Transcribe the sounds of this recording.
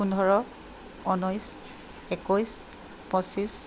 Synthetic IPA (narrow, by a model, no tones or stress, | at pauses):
undʱɔɹɔ | ɔnɔjs | ekɔjs | pɔsis